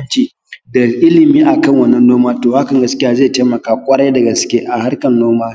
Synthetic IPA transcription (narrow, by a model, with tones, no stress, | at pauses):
t͡ʃiː˨ | da˨ʔɪ˦lɪ˨miː˦ʔa˨kɐ˦˨ŋwɐ˦nːɐ˦nːoː˦maː˦toː˨ha˦kɐ˨ŋɡɐ˦skʲɪ˦jaː˦zeː˦˨teː˦mɐ˨kaː˨kʷʼɐ˦ɽɐ˦jdɐ˨ɡɐ˨skʲe˦ʔa˨ha˦rkɐ˨nːoː˦maː˦